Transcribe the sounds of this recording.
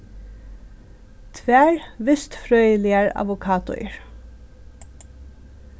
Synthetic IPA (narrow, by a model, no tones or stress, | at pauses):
t̪ʰʋæːɹʋɪst̪fɹœːʏəlɪəɹɑ̰ʋʊkʰɑːt̪ʊ̰ʏə̰ɹ